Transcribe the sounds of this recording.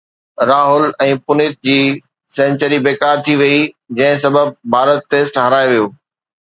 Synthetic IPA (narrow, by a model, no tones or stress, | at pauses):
ɾaːɦʊlɛ̃ːpʊnɪt̪̚d͡ʑiː | sɛ̃ːnt͡ɕəɾibeːkaːɾt̪ʰiʋɐi | d͡ʑɐ̃ɦɪ̃sɐbəb̚bʱaːɾət̪ːeːsʈɦɐɾaːeʋijoː